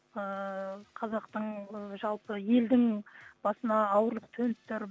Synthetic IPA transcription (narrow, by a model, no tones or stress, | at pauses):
əqʰɑzɑqt̪əɴʒɑlˠpəje̞ld̪ɪŋb̥ɑsənɑːwəɾlˠəq̚t̪ʰɵnst̪ɪɾ